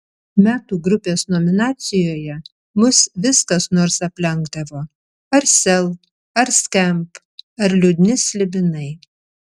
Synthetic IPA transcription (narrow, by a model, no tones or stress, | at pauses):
mʲæːt̪uːɡɾʊpʲeːsnomʲɪnɑːt̪sʲɪjoːjɛ | mʊsʋʲɪskɐsnoːɾsɐpʲlʲɛŋɡd̪ɐʋoː | ɐɾsʲɛlˠ | ɐɾsʲkʲɛmp | ɐɾlʲʊd̪ʲnʲɪsʲlʲɪbʲɪnɐɪ